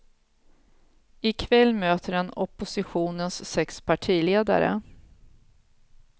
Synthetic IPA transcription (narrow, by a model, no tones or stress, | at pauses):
ɪkʰvɛlːmøːt̪əɾɛnɔpːʊsɪɧuːnənsːɛkspʰaʈʰiːleːd̪a̰ɾə̰